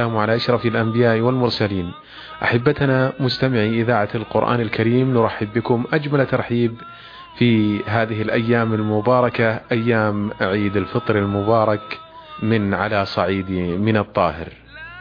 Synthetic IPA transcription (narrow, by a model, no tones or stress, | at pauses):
aːmʕalaʔaʃɾˤɑfalʔambɪjaːʔwalmʊɾˤsaliːn | ʔa̰ħabːat̪namʊst̪amɪʕiʔɪðaːʕalqʊɾʔa̰ːnalkaɾiːmnʊɾˤɑħːɪbːɪkʊmʔad͡ʒmalt̪ɑɾˤħiːb | fiɦaːðɪɦɪlʔajːaːmalmʊbɑːɾˤɑkaʔajːaːmʔaʕiːd̪alfɨt̪ˤɾalmʊbɑːɾˤɑk | mɪnʕalasˤɑʕiːd̪imɪnɨt̪ˤːɑːhɪ̰ɾ